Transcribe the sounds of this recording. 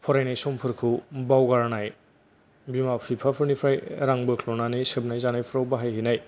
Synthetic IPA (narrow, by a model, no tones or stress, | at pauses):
pʰɔɾajnajsɔmpʰɯɾkʰɯbawɡaɾnaj | bimawpʰipʰapʰɯɾnipʰɾajɾaŋbɯkʰlɔnanisɯb̚najzanajpʰɯɾawbaɦajɦinaj